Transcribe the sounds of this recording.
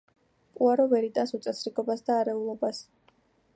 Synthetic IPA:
pʼuaɾɔvɛɾit̪ʼansut̪sʼɛsɾiɡʼɔbasd̪aːɾɛulˠɔbas

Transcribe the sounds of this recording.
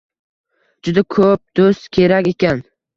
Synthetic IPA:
d͡ʒʊd̪akʰɵp̚d̪ost̪kʲʰe̞ɾakʲe̞kʲan

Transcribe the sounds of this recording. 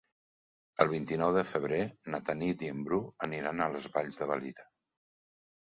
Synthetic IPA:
əlˠβ̞int̪inɔwðəfəβ̞ɾenət̪anid̪iəmbɾuəniɾanələzβaʎzðəβəliɾə

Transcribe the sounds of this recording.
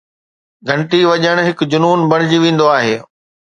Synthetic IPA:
ɡʱɐ̃ɳʈiʋɐʄəɽ̃ɦɪkd͡ʑʊnuːnbɐɽ̃d͡ʑiʋẽːn̆d̪oaːɦeː

